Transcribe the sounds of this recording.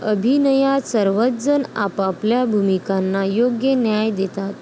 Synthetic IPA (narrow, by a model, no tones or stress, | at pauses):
əbʱinəjasəɾʋət̪d͡zəna̰papljabʱumikanːajoɡjənjajd̪et̪at̪